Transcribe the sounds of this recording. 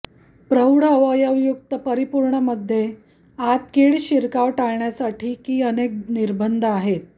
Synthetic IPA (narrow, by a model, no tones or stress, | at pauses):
pɾəwɽəʋəjəʋjuk̚t̪əpəɾipuɾɳəməd̪ʱːje | at̪̚keɭɕiɾkaʋʈaɭɳjasaʈʰiːkiːənek̚niɾbənd̪ʱəaɦet̪̚